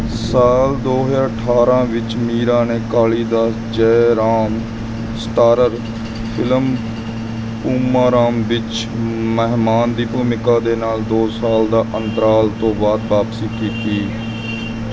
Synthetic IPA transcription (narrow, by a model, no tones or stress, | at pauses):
saːld̪oːɦjaːɾəʈʰaːɾãːʋɪt͡ʃmiːɾãːneːkaːliːd̪aː | d͡ʒɛːɾaːm | sʈaːɾəɾ | pʰɪləm | puːmãːɾaːmʋɪt͡ʃ | məɦmaːnd̪iːpuːmɪkaːd̪eːnaːld̪oːsaːld̪aːʔənt̪əɾaːlt̪õːʋaːd̪̚baːpsiːkiːt̪iː